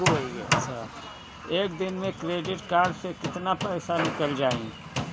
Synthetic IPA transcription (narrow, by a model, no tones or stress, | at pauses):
iɐtːʃʰa | eːk̚d̪ɪnmẽkɾeːɖɪʈkaːɾɖsekɪt̪napɛːsanɪkəld͡ʒaːḭ̃